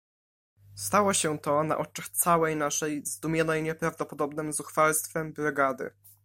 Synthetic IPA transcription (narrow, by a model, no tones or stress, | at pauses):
st̪awɔɕɛt̪ɔna̰ʔɔt͡ʂaxt̪sawɛjnaʂɛjzd̪umʲjɔnɛjɲɛpɾavd̪ɔpɔd̪ɔbnɘmzuxfalst̪fɛmbɾɛɡad̪ɘ̰